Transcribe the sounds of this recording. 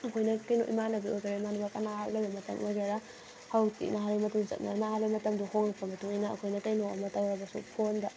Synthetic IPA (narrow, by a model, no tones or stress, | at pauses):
ɐkʰojnɐkajno̰ʔḭmanɐbiʔojɡaɾaimanabakanahaklabimɐtɐ̰mʔojɡaɾa | hawtḭnaɦalimɐtumzɐ̰t̚nanahalimɐtɐmduhoŋaŋpʰamɐtʰuŋijnaɐ̰kʰojnɐkajnoa̰mɐtawɾɐbasṵpʰondɐ